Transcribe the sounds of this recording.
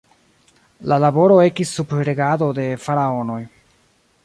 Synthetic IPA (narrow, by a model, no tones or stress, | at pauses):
lalabo̞ɾo̞e̞kisːupɾe̞ɡado̞de̞faɾao̞no̞j